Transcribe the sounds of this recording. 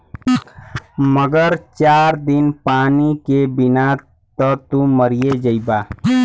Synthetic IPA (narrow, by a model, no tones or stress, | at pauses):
məɡəɾt͡ʃaɾd̪inpaːnikebina | t̪ət̪uməɾijed͡ʒəɪba